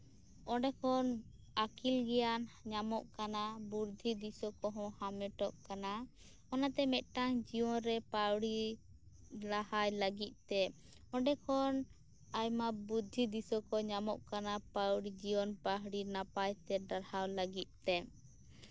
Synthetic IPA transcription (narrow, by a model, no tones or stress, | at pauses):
ɔɖɛkʰɔn | akʰilɡɛjanɲamɔʔkanabuɾd̪ʱid̪isɔkɔɦɔ̃hamɛʈɔʔkana | ɔnat̪ɛmɛt̪̚ˀʈaŋd͡ʒiɔnɾɛpawɽi | lahajləɡit̪̚t̪ɛ | ɔ̃ɖɛkʰɔn | ajmabud̪ʱid̪isɔkɔɲamɔʔkanapawɽid͡ʒiɔnpaɦɽinapajt̪ɛɖaɾhawləɡit̪̚ˀt̪ːɛ